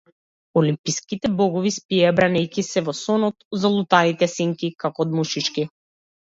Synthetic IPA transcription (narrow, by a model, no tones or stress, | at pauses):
ɔlimpiskit̪ɛbɔɡɔvispiabɾanɛjkisɛvɔsɔnɔt̪zalˠut̪anit̪ɛsiŋkikakɔːd̪muʃit͡ʃki